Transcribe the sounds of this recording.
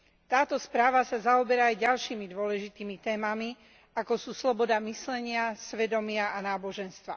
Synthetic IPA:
t̪aːt̪ɔspɾaːʋasazaɔbɛɾaːjɟalʃiːmid̪ʊɔlɛʒit̪iːmit̪ɛːmami | akɔsuːslɔbɔd̪amislɛɲɪasʋɛd̪ɔmɪaʔanaːbɔʒɛnst̪ʋa

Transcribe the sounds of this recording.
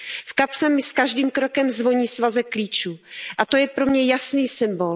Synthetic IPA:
fkapsɛmːɪskaʒdiːmkɾo̞kɛmzvo̞ɲiːsvazɛkliːt͡ʃuːʔat̪o̞jɛpɾo̞mɲɛjasniːsɪmbol

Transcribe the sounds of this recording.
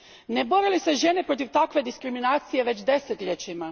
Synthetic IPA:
ne̞bo̞ɾilise̞ʒe̞ne̞pɾo̞t̪̬iʋt̪akʋe̞d̪iskɾiminaːt̪sije̞ʋe̞t͡ɕd̪e̞set̪ʎʲet͡ɕima

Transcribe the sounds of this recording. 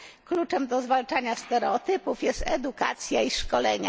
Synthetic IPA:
klut͡ʂɛmd̪ɔzvalt͡ʂaɲast̪ɛɾɛɔt̪ɘpufjɛst̪ɛd̪uka̰t̪sʲjaiʂkɔlɛɲa̰

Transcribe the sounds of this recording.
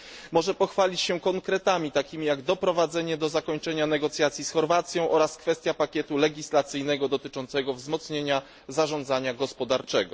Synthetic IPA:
mɔʐɛpɔxfalʲit͡ɕɕɛkɔŋkɾɛt̪amʲit̪akʲimʲijaɡd̪ɔpɾɔvad̪zɛɲɛd̪ɔzakɔɲt͡ʂɛɲanɛɡɔt̪sʲjat̪sʲjisxɔɾvat̪sʲjɔ̃w̃ʔɔɾaskfɛst̪ʲjapakʲjɛt̪ulɛɡʲislat̪sɘjnɛɡɔd̪ɔt̪ɘt͡ʂɔnt̪sɛɡɔvzmɔt̪sɲeɲa | zaʐɔnd̪zaɲaɡɔspɔd̪aɾt͡ʂɛɡɔ

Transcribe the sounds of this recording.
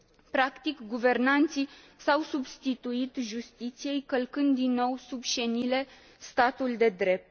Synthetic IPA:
pɾakt̪ikɡuve̞rnant̪si | sawsubst̪it̪uit̪ʒust̪it̪sije̞jkəlkɨnd̪ːinːo̞wsubʃenile̞ | st̪at̪uld̪e̞d̪ɾe̞p̚t̪

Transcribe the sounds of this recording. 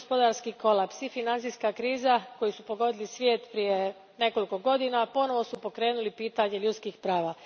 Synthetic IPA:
spod̪aɾskiko̞lˠapsifinant̪iskakɾiːzako̞jisupo̞ɡo̞d̪ilisʋje̞ːt̪pɾije̞ | ne̞ko̞liko̞ɡo̞d̪inapo̞no̞ʋo̞supo̞kɾe̞ːnulipiːt̪aɲe̞ʎut̪skixpɾaːʋaː

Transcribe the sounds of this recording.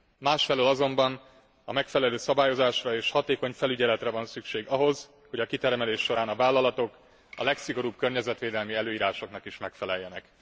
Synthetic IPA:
maːʃfɛlølɒzo̞mbɒn | ɒmɛkfɛlɛløːsɒbaːjo̞zaːʃrɒeːʃhɒt̪eːko̞ɲfɛlyɟɛlɛt̪rɛvɒnsykʃeːɡɒɦo̞z | ho̞ɟɒkit̪ɛrmɛleːʃːo̞ɾaːnɒvaːlːɒlɒt̪o̞k | ɒ̰lɛksiɡo̞ɾuːbkørɲɛzɛt̪ʋeːd̪ɛlmiɛløːiːɾaːʃo̞knɒkiʃmɛkfɛlɛjːɛnɛk

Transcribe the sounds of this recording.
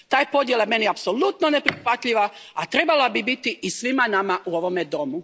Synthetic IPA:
t̪aːjpo̞d̪jelajeme̞niapsolut̪nonepɾixʋat̪ʎiʋaat̪ɾe̞balabibit̪iʔisʋimanamaʔuo̞ʋo̞med̪o̞mu

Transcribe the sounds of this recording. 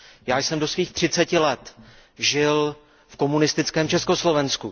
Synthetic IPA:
jaːjsɛmdo̞sviːxt̪r̝̥ɪt͡sɛcɪlɛt̪ʒɪl | fko̞munɪst̪ɪt͡skɛːmt͡ʃɛsko̞slo̞vɛnsku

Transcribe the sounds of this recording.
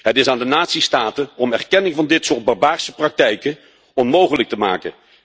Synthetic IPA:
ɦətɪsaːndənaːtsistaːtəɔmɛrkɛnɪŋvɑndɪtsʊːɹd̚bɑɹbaːɹsəprɑk̚tɛjkə | ɔnmowχələk̚təma̰ːkə̰

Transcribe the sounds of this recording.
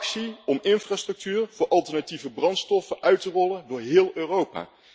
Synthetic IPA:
ksiɔmɪnfraːstrɵk̚tyːrv̥ʊːɹʔɑlˠtəɹnativəbrɑntstɔfəʔœɥtərɔləndʊːɹɦɪːlˠøːrowpa̰ː

